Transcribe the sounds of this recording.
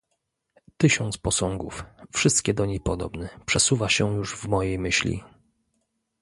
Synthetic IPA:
t̪ɘɕɔnt̪spɔsɔŋɡuffʂɘst̪kʲɛd̪ɔɲejpɔd̪ɔ̰bnɛpʂɛsuvaɕɛjuʐvmɔjejmɘɕlʲḭ

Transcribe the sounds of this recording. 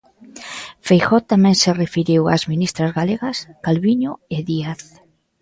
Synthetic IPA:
fejxɔt̪amɛ̃ŋserefiɾiwa̰zminist̪ɾazɣaleɣɐskalβiɲʊɪðiaθ

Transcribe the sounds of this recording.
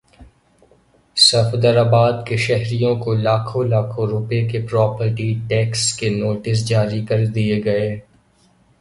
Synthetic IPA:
sɐfd̪əɾaːbaːd̪keʃɛɦɾijõkolaːkʰõlaːkʰõɾʊpekepɾɔːpəɾʈiʈɛːkskenoːʈɪs̬d͡ʒaːɾikɐɾd̪ieɡɐeː

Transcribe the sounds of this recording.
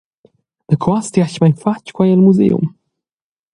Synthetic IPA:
dəkʰɔst̪iaʃmajnfat͡ʃkwajɛlmuzḛṵm

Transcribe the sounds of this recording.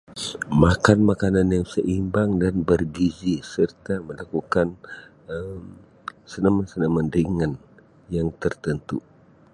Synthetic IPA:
makanmakananjaŋsəʔimbaŋdanbərɡizisərt̪aməlakukan | əm | sənamansənaməndiŋan | jaŋt̪ərt̪ənt̪u

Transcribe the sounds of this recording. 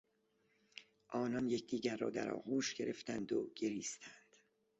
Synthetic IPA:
ʔɒːnɒnje̞cʰd̪iːɟæɾːɒ̰ːd̪æ̰ɾɒ̰ːɣuːʃɟe̞ɾʔe̞ft̪ænd̪oɡ̥eɾiːst̪ʰænd̪̥

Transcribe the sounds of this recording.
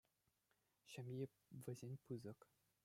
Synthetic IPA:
ɕɘ̆mʲje | ʋʲɘ̆zʲenʲpɯzɤ̆k

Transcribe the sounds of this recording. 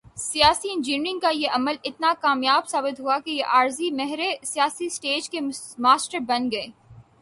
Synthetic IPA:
sijaːsiɪ̃nd͡ʒinɾɪ̃ŋɡ̚kajeʔɐməlɪt̪nakaːmjaːbsaːbɪt̪ɦuakejeʔaːɾzimɛɦɾesijaːsisʈeːd͡ʒkemaːsʈəɾbɐnɡɐeː

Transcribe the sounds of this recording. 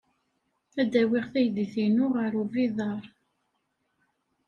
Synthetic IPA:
æd̪æwiʁθæjðiθinʊʁəɾuviðˤɑɾˤ

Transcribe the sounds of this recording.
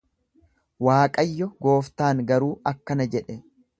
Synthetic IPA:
waːkʼɐjːɔɡo̞ːft̪aːŋɡɐɾuːʔɐkːɐnɐd͡ʒɛᶑɛ

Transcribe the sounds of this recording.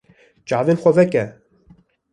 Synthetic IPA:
t͡ʃɑːvenxʷavɛkɛ

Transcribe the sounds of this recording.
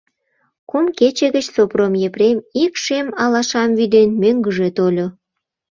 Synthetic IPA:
kumket͡ɕeɣət͡ɕsopromjepremikʃemɑlɑʃɑmvyd̪enmøŋɡəʒet̪olʲo

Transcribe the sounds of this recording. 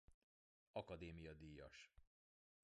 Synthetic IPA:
ɒkɒd̪eːmijɒd̪iːjɒ̰ʃ

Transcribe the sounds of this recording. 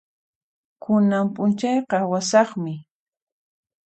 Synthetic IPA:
kʰʊnampʊnt͡ʃɑjqɑwasɑχmɪ

